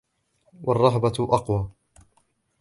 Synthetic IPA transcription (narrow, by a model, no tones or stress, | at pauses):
wɑrˤːɑɦbaʔɑqwɑː